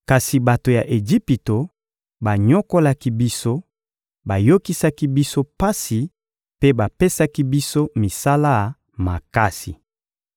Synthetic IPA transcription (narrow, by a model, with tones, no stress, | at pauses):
ka˨si˨ba˨to˨ja˨ʔe˨d͡ʒi˦pi˨to˨ | ba˨ɲɔ˦ko˦la˦ki˦bi˦so˦ | ba˨jo˦ki˦sa˦ki˦bi˦so˦pa˦si˨ | pe˦ba˨pe˦sa˦ki˦bi˦so˦mi˨sa˦la˦˨ | ma˨ka˦sḭ˨